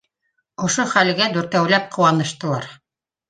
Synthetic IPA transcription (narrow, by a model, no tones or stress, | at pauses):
ŏʃoχælɡæd̪ʉɾt̪æwlæp̚qʰŏwɑnɤ̆ʃt̪ɤ̆lˠɑɾ